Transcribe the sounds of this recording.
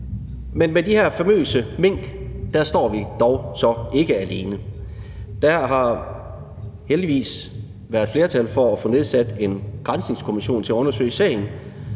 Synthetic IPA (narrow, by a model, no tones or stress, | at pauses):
menmedihæɐ̰fæmø̰ːsəme̝ŋ̰ɡ̥d̥æɐsd̥ɒ̰ːʋid̥ɒʊsɒ̽e̝ɡ̥əæle̝ːnə | d̥æɦɑ̈ | held̥iʋḭːs | ʋæɐð̥ˠfle̝ɐt͡sʰælfɒ̽æfo̽ːne̝ð̞ˠsæd̥e̝nɡ̥ʁänsne̝ŋskʰo̝miɕo̝̰ːnt͡sʰe̝æɔ̽nɐsø̰ɪsɛ̰ɪn̩